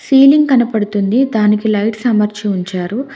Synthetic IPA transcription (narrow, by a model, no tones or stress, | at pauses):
siːliŋɡkɐnɐpɐɽut̪und̪id̪aːnikilɐjʈsɐmɐɾt͡ʃiuɲt͡ʃaːɾu